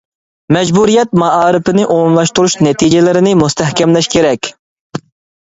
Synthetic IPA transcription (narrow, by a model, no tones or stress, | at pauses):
mɛd͡ʒbuɾijɛt̪̚mɑɑːɾɪpɪnɪʔomumlˠɑʃt̪uɾuʃnɛt̪ʰid͡ʒelɪɾɪnɪmust̪ɛhkʲɛmlɛʃkʲʰeɾɛkʲ